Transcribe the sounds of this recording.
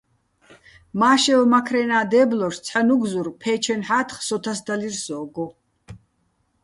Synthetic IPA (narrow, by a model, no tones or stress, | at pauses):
maːʃɛlmakʰɾɛnaːd̪ɛːblɔʃt͡sʰħanuɡzurpʰɛːt͡ʃʰɛnħaːt̪ʰχsɔt̪ʰasd̪alirsɔːɡɔ